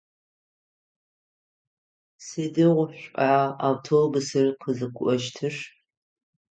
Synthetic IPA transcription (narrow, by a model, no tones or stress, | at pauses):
sedɨʁʷʊɕʷʼaːaːwtʰobɨsɨrqʰəzɨkʷʰʊʔɐʃtʰɨʂ